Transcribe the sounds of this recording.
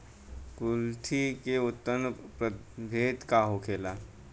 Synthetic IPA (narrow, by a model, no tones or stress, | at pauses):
kʊlt̪ʰikeʊt̪ːənpɾə | bʱeːt̪kaɦokʰeːlaː